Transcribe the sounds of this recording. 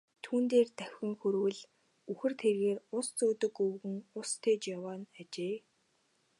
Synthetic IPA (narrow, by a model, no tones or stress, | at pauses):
t̪ʰuːnt̪eːrt̪æwʲɪ̆ŋxɵɾwɘ̆ɮ | uxɘ̆rt̪ʰerɣeːrʊst͡soːt̪ɵ̆kɵwɣɘ̆ŋʊst̪ʰeːt͡ɕjawaːnat͡ɕeː